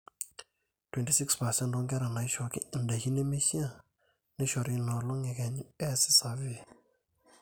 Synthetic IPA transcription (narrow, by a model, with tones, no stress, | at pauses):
twɛ˨nti˨si˦kspa˨sɛ̃˦ndɔ˦ŋɡɛ˦ɾa˨na˨jʃɔ˨ki˦i˨nda˨hi˦ne˦me˦si˦ã˦˨ | ne˦ʃɔ˨ɾi˨nɔ˨lo˦ŋe˨kɛ˨ɲ˨ɛ˦si˦sa˨vi˦